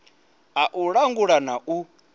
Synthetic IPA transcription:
aʔuɺaŋɡuɺanaʔu

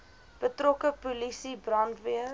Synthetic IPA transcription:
b̥ətrɔkəpulisibrɐntviə

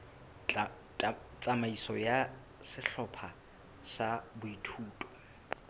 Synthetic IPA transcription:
t͡sʼamaisɔja | sɪɬɔpʰa | sabʊitʰuːtʼɔ̥

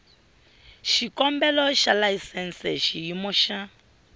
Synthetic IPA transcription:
ʃikɔmbɛlɔʃalaisɛnsɛʃijimɔʃa

